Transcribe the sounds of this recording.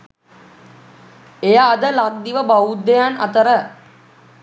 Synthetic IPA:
ejaːd̪əlak̚d̪iʋəbaud̪ːejana̰t̪əɾə

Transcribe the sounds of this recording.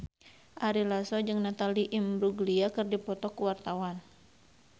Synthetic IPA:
ʔaɾilasɔd͡ʒɨŋnat̪aliʔimbɾuɡliakɨrdipɔt̪ɔkuwart̪awan

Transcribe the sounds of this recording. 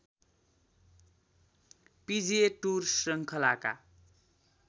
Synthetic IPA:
pid͡zieʈursrʌŋkʰʌlaka̰

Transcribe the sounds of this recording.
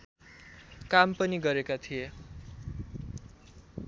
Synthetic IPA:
kampʌniɡʌɾekat̪ʰije

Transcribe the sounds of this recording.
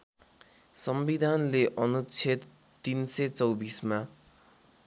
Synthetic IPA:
sʌmbid̪ʱanleʔʌnut͡sʰit̪ː | inset͡sʌwbisma

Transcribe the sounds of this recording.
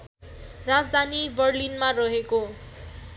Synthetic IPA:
rad͡zd̪ʱanibʌrlinmarʌɦeko

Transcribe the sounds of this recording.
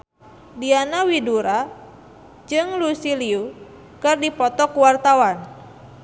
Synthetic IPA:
dianawiduɾa | d͡ʒɨŋlusiliu | kɨrdipɔt̪ɔkuwart̪awan

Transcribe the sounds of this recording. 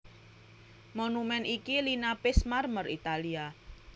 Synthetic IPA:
monumɛnʔikilinapɪsmarmərit̪alia

